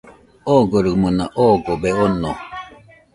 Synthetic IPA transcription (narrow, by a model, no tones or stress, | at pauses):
oɡoɾɯmɯnaʔoɡobeono